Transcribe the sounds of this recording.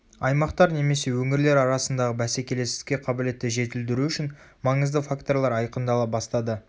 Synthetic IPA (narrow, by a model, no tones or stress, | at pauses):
ɑjmɑqt̪ɑɾne̞me̞se̞wɵŋɪɾle̞ɾɑɾɑsənd̪ɑʁəbæse̞kʲe̞le̞sɪ̥kʲe̞qʰɑbɪle̞t̪ːɪʒe̞t̪ɪld̪ɪɾuʏʃɪn | mɑɴəzd̪əfakt̪o̞ɾlˠɑɾɑjqənd̪ɑlˠəbɑst̪ɑd̪ə